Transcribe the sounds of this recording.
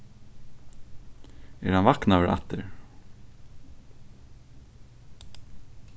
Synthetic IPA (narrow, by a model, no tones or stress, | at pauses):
æ̰ɾhanvaknœvəɾʔa̰t̪ːəɾ